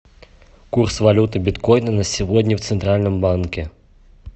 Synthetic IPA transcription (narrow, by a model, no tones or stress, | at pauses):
kursvalʲut̪ɨbʲit̪kɔjnɐnɐsʲivɔd̪ʲnʲɛwt̪sɛnt̪ɾalʲnɨmbankʲɛ